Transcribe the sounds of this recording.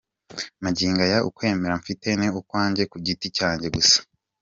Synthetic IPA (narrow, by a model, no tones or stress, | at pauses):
maɟiːŋɡajaʔṵkwe̞ːme̞ɾaɱfite̞neukwaːɲɟe̞kuɟiticaːɲɟe̞ɡusḁ